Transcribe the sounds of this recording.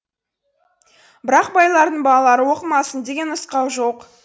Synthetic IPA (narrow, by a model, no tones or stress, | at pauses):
bɪɾɑq̚bɑjlˠɑɾd̪əɴbɑɑlˠɑɾəwo̞qəmɑsənd̪e̞ɡʲe̞nəsqɑwʒo̞q